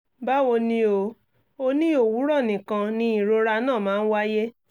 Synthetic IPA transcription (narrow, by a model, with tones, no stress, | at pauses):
ba˦wo˧nĩ˧o˧˨ | o˧nĩ˦o˦˨wu˨˦ɾɔ˦˨nĩ˨kã˧nĩ˧˦i˨ɾo˧ɾa˧nãː˦˨mãː˨˦˧n̩˦wa˦je˦